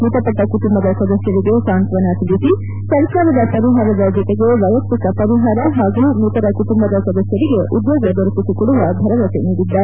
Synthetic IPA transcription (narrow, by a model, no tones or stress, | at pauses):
mut̪ɐpɐʈːɐkuʈumbɐd̪ɐsɐd̪ɐsjɐɾiɡesaːnt̪ʋɐnaːt̪ʰilisi | sɐɾkaːɾɐd̪ɐsɐɾiɦaːɾɐd̪ɐd͡ʒɔt̪eɡeʋɐjɐpikɐpɐɾiɦaːɾɐɦaːɡumut̪ɐɾɐkuʈumbɐd̪ɐsɐd̪ɐsjɐɾiɡeʔud̪joːɡɐd̪ɐɾupisikɔɽuʋɐb̪ʱɐɾɐʋɐseniːɽid̪ːaːɾe